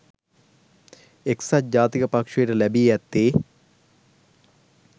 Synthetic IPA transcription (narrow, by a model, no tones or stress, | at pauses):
eksat̚d͡ʒaːt̪ikəpakʂejeʈəlæbiːjɛt̪ːeː